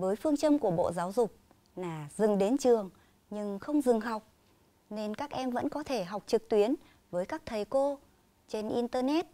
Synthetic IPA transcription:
vəː˨˦jfɨ˧əŋt͡ɕə˧mku˧˩ɓo̰˧˨zaː˨˦wzʊ˨˩k͡p̚ | laː˨˩zɨ˨˩ŋɗe˨˦nt͡ɕɨ˨˩əŋ | ɲɨ˧ŋxə˧wŋ͡mzɨ˨˩ŋɦa˨˩wk͡p̚ | ne˧nkaː˦˥k̚ʔɛ˧mvə̰˧˥nkɔ˨˦t̪ʰe˧˩ɦa˨˩wk͡p̚t͡ɕɨ˨˩k̚t̪wi˨˦ən | vəː˨˦jkaː˦˥k̚t̪ʰə˨˩jko˧ | t͡ɕe˧nʔi˧nt̪əː˧nɛ˦˥t̚

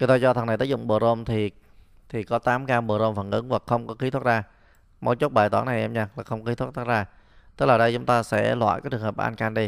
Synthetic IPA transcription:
ɲə˨˦t̪aː˧t͡ɕɔ˧t̪ʰə˨˩na˨˩t̪əː˨˦˥zʊ̰˧˨ŋ͡mɓəː˨˩zo˧mt̪ʰi˨˩ | t̪ʰi˨˩kɔ˨˦t̪aː˨˦mkaː˧mɓəː˨˩zo˧mfə˨˩nʔɨ̰˨˦nvaː˨˩xə˧wŋ͡mkɔ˨˦xi˨˦t̪ʰt̚zaː˧ | mo̰˨˧˥j̚t͡ɕo˦˥t̚ɓaː˨˩jt̪waː˧˩˦nːa˨˩jʔɛ˧mɲaː˧laː˨˩xə˧wŋ͡mki˨˦t̪ʰt̪̚ʰːzaː˧ | t̪ɨ˦˥k̚laː˨˩ɗə˧jt͡ɕʊ˨˦ŋ͡mt̪aː˧sɛ̰˧˥lwa̰ː˧˨jkːt͡ɕɨ˨˩ŋɦəː˨˩p̚ʔa̰˧nkaː˧nɗi˧

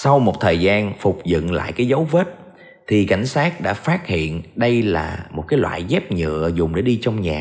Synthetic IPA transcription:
sa˧wmo˨˩t̚t̪ʰəː˨˩jzaː˧nfʊ˨˩k͡p̚zɨ̰˧˨nla̰ː˧˨jkaː˨˦jzə˨˦wveː˦˥t̚ | t̪ʰi˨˩ka˧˩jŋ̟saː˦˥t̚ɗa̰ː˧˥faː˦˥t̚hḭ˧˨ənɗə˧jlaː˨˩mo˨˩kaː˨˦jlwa̰ː˧˨jzɛ˦˥p̚ɲɨ̰˧˨əzʊ˨˩ŋ͡mɗe˧˩ɗi˧t͡ɕɔ˧wŋ͡mɲaː˨˩

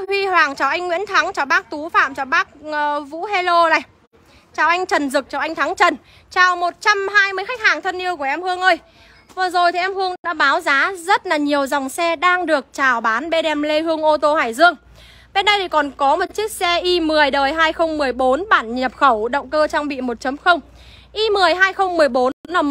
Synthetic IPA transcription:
hwi˧hwaː˨˩ŋt͡ɕaː˨˩wʔa˧jŋːwḭ˧˥ənt̪ʰa˨˦ŋt͡ɕaː˨˩wɓaː˦˥k̚t̪u˨˦fa̰ː˧˨mt͡ɕaː˧˩wɓaː˦˥k̚ːvṵ˧˥he˧lo˧na˨˧˩j | t͡ɕaː˨˩wʔa˧jŋ̟t͡ɕə˨˩nzɨ˨˩k̚t͡ɕaː˨˩ʔa˧jŋ̟t̪ʰa˨˦ŋt͡ɕə˨˩n | t͡ɕaː˨˩wmo˨˩t̚t͡ɕa˧mɦaː˧jmɨ˧əjxa˦˥k̚haː˨˩ŋt̪ʰə˧nʔi˧əwku˧˩əʔɛ˧mhɨ˧əŋʔəː˧j | vəː˨˩zo˨˩jt̪ʰi˨˩ʔɛ˧mhɨ˧əŋɗɗa̰ː˧˥ɓaː˨˦wzaː˨˦zə˦˥t̚laː˨˩ɲi˨˩əwza˨˩wŋ͡msɛ˧ɗaː˧ŋɗɨ˨˩ək̚t͡ɕaː˨˩wɓaː˨˦nɓe˧ɗɛ˧mle˧hɨ˧əŋʔo˧t̪o˧haː˧˩jzɨ˧əŋ | ɓe˧nɗə˧jt̪ʰi˧˩kɔ˨˩nkɔ˨˦mo˨˩t̚t͡ɕi˦˥ək̚sɛ˧ʔi˧mɨ˨˩əjɗəː˨˩jɦaː˧jxə˧wŋ͡mmɨ˨˩əjɓo˨˦nɓaː˧˩nɲə˨˩p̚xə˧˩wɗə̰˧˨wŋ͡mkəː˧t͡ɕaː˧ŋɓḭ˧˨mo˨˩t̚t͡ɕə˨˦mxə˧wŋ͡m | ʔi˧mɨ˨˩əjɦaː˧jxə˧wŋ͡mmɨ˨˩əjɓo˨˦n˨˦na˨˧˩m

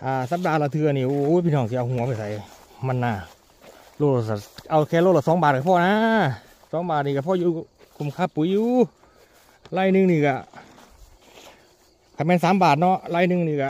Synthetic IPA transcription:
ʔaː˧˩sa˧˦p̚daː˧˩la˧˩t̪ʰɯ˧ɐ˨niː˧˩ʔo˧˦˨pʰiː˧nɔː˧˩ŋs̬i˧ʔa˧whu˧˦ɐ˦˧pa˧˨jsa˨˦j | ma˧˥˨nːaː˧˩ | lo˧t̚lsa˧˩ʔa˧˩wkʰɛː˧˩˨lo˧˨la˧˩sɔː˨˦ŋbaː˨˩t̪̚kʰa˧pʰɔː˧˨naː˧˥ | sɔː˨˦ŋbaː˨˩t̪̚niː˧˩ka˧pʰɔ˧˨juː˧˩ | kʰo˧˩mkʰa˧˥˨pːuː˨˦juː˧ | laː˧˩jnɯ˧˨ŋniː˧˩ka˧˩ | kʰaː˧˩mɛː˧˨nsaː˨˦mbaː˨˩t̪̚nɔ˧˥˨laː˧˩˨jnɯ˧˨ŋniː˧˩ka˧˩

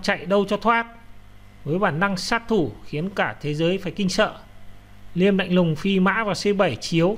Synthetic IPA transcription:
t͡ɕa̰˧˨jɗə˧wt͡ɕɔ˧t̪ʰwaː˦˥t̚ | vəː˨˦jɓaː˧˩nːa˧ŋsaː˦˥t̚t̪ʰu˧˩xi˨˦ənkaː˧˩t̪ʰe˨˦zəː˨˦jfaː˧˩jkï˧ŋ̟sə̰ː˧˨ | li˧əmnla̰˧˨jŋ̟lʊ˨˩ŋ͡mfi˧ma̰ː˧˥vaː˨˩se˧ɓa˧˩jt͡ɕi˨˦əw

